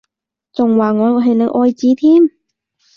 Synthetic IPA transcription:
t͡sʊ˨˩ŋwaː˨˩ŋɔː˨˧ɔ˧˥ɦɐ˨jle˨˧˥ʔɔː˧jt͡siː˨˧˥t̪ʰiː˥˩m

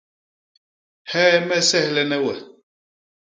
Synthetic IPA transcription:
hɛ˦mɛ˦sɛ˦hlɛ˦nɛ˦wɛ˨

